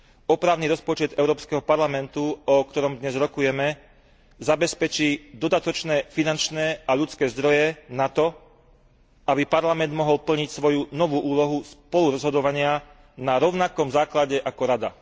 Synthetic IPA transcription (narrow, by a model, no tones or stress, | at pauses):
ɔpɾaːʊniɾɔspɔt͡ʃɛd̪ɛʊɾɔːpskɛɦɔpaɾlamɛnt̪uɔkt̪ɔɾɔmd̪ɲɛzɾɔkujɛmɛ | zabɛspɛt͡ʃiːd̪ɔd̪at̪ɔt͡ʃnɛːfinant͡ʃnɛːaʎut͡skɛːzd̪ɾɔjɛnat̪ɔ | abipaɾlamɛnd̪mɔɦɔlpl̩ɲicsʋɔjunɔʋuːʔuːlɔɦuspɔluɾɔzɦɔd̪ɔʋaɲɪa | naɾɔʊnakɔmzaːklaɟɛʔakɔɾad̪a̰